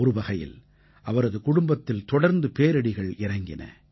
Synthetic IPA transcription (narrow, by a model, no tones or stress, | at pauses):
ɔɾɯbɐɣɐjɪ̰l | ʔɐʋɐɾɐðɯkʊɽʊmbɐt̪ːɪlt̪ɔɽɐɾnd̪ɯpeːɾɐɽɪɣɐɭɪɾɐŋɡɪnɐ̰